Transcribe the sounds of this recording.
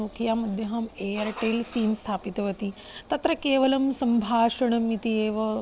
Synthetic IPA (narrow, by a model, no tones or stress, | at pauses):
uːkʰijamɐd̪ʱjɐɦɐmeːjɐɾʈeːlsiːmst̪ʰaːpit̪ɐʋɐt̪i | t̪ɐt̪ɾɐkeːʋɐlɐmsɐmbʱaːʃɐɳ̃ɐmit̪ieːʋɐ